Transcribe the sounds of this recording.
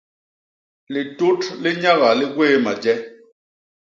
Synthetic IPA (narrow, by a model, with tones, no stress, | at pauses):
lɪ˨tu˦tlɪ˦ɲa˦ɣa˨lɪ˦ɡweː˦ma˨d͡ʒɛ˦